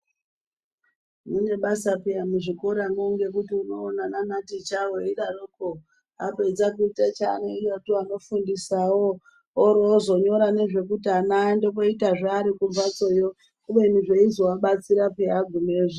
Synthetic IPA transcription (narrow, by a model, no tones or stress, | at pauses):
mune̞ɓasapiamuʐiko̞ɾamoŋɡe̞kutiuno̞ːnananatit͡ʃawoiɗaruko | apeid͡zakuitat͡ʃaneijotiano̞fundisawo | oɾozo̞ɲo̞ɾane̞ʐe̞kutanando̞po̞itaʐaːɾikuɱvat͡so̞jo | kuɓeniʐeizowaɓat͡siɾapeaɡʱumeːʐe